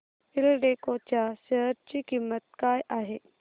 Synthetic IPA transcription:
filɖekot͡ɕjaɕəɦəɾt͡ɕiːkimːət̪̚kajʔaɦe

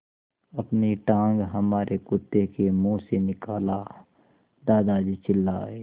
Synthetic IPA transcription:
əpniʈãːŋɡɦəmaːɾʔekʊt̪ːekemũːsenɪkaːla | d̪aːd̪ad͡ʒit͡ʃɪlːa̰ːeː

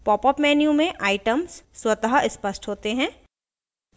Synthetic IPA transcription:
pɔːpɔpmɛːnjũmẽʔaːɪʈəmsːwɐt̪əɦaɪspəsʈɦoːt̪eɦɛ̃ː

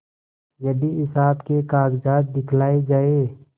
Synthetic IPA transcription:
jɐd̪iɪsaːbkekaːɡd͡ʒaːd̪̚ːɪkʰlaːed͡ʒaːe

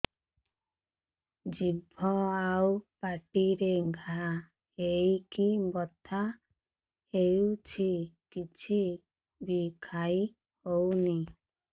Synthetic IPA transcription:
d͡ʒibʱɔawpaʈiɾeɡʱaa | hejkibɔt̪ʰa | hejut͡ʃʰikit͡ʃʰi | bikʰai | howni

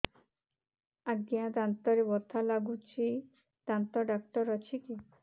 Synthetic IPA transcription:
aɡijãd̪ant̪ɔɾebɔt̪ʰːalaɡut͡ʃʰi | d̪̥ant̪ɔɖak̚ʈɔɾɔt͡ʃʰiki

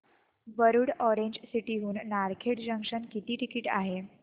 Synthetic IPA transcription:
bəɾuːɽɔɾeɲd͡ʑsiʈiɦuːnːaɾkʰeʈd͡ʑəŋkʂənkit̪iːʈikiʈa̰ɦe

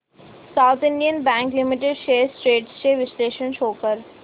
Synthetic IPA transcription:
saːʊt̪ʰɪ̃ɳɖijənbɛ̃ːŋklɪmɪʈ̬eɖʃeːɾsʈɾeːʈst͡ʃeʋɪsleːʃənʃoːkəɾ

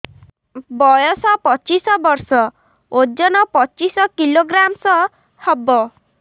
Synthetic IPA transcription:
bɔjɔsɔpɔt͡ʃisɔbɔɾsɔ | od͡ʒɔnɔpɔt͡ʃisɔkiloɡɾamsɔ | hɔbɔ

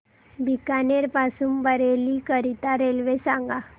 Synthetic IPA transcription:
bʱikaneɾpasumbəɾelikəɾit̪aɾelʋesãŋɡa

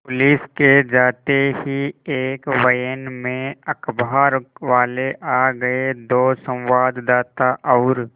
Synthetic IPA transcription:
pʊlisked͡ʒaːt̪eɦieːkʋəjənmẽɐkbʱaːɾʋaːleʔaːɡɐed̪oːsə̃w̃ʋaːd̪d̪aːt̪aʔɔːɾ

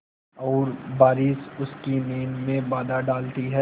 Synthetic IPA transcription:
ɔːɾbaːɾiːsʊskineːnmẽbaːd̪aɖaːlt̪iɦɛː

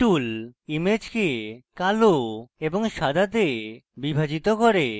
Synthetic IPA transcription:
ʈulimed͡ʑkekaloeboŋʃad̪ʱat̪̬ebibʱad͡ʑit̪okoɾe

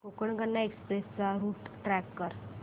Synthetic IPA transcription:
kokəɳkəɾnaekspɾest͡saɾuːʈʈɾɛkːəɾ

